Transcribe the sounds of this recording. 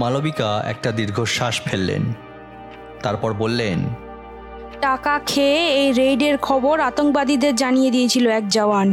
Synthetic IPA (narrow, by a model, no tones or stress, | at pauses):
malobikaɛ̰k̚ʈad̪iɾɡʱoʃaʃfʰelːḛn | t̪aɾpɔɾbolːen | ʈakakʰeejɾejɖeɾkʰɔboɾat̪oŋk̚bad̪id̪eɾd͡ʑanijed̪ijet͡ɕʰiloɛk̚d͡ʑaoan